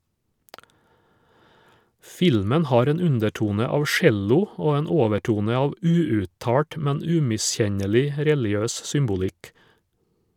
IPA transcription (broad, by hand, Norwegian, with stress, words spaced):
ˈfɪlmən ˈhɑːɾ ˈeːn ˈʉndɛˌʈuːnə ˈɑːʋ ˈʃɛlʊ ˈoː ˈeːn ˈoːʋəˌʈuːnə ˈɑːʋ ˈʉːʉːˌtɑːʈ ˈmɛn ˈʉːmɪˌsçɛɲɛlɪ ˈɾɛlɪˌøːs ˈsʏmbʊlɪk